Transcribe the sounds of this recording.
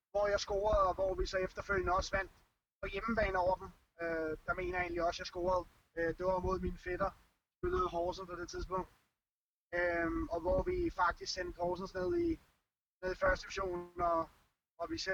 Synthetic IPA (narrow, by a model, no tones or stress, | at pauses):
ʋɒjɑ̈ɪsɡ̥o̝̰ːɐð̩ˠɒ̽ʋɒʋisɒ̽efd̥ɐføl̰jənəɒ̽sʋæn̰d̥ | pʰɒ̽jemb̥ɛ̰ːn̩ɒʊ̰ɐd̥m̩ | ød̥ɑ̈me̝̰ːnɐe̝ɪnliɒ̽sjɑ̈ɪsɡ̥o̝̰ːɐð̞̩ˠ | ød̥emo̝ðˠmiːnəfed̥ɐ | sb̥øləð̩ˠɦɒːsn̩pʰɒ̽d̥e̝t͡sʰiðˠs̬b̥ɔ̽ŋ̰d̥ | øɒ̽ʋɒʋifɑ̈ɡ̥̚d̥isɡ̥sen̰d̥hɒːsn̩sne̝ð̞̰ˠi | ne̝ð̞̰ˠifɶɐsd̥əiʋiɕo̝̰ːnɒ̽ | ɒʋise